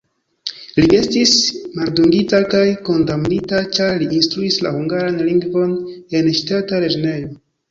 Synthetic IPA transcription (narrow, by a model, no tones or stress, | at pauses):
liʔe̞stismalduŋɡitakajko̞ndamnitat͡ʃaɾliːnstɾuisla̰huŋɡaɾanliŋɡvo̞ne̞nʃtataɾed͡ʒonejo̞